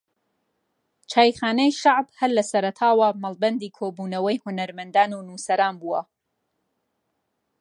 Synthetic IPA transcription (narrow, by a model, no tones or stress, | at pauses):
t͡ʃʰaːjxaːnɛjʃaʕbhɐllɐsɐɾɐt̪ʰaːwɐmɐlˠbɐnd̪iːkʰoːbuːnɐwɐjhʊnɐɾmɐnd̪aːnunuːsɐɾaːnbuːwɐ